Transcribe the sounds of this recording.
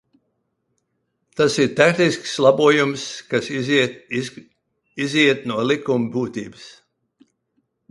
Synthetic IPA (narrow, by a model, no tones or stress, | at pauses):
t̪asiɾt̪akniskslˠabuɔjumskas | iziɛt̪̚nuɔlikumbuːt̪iːbɨs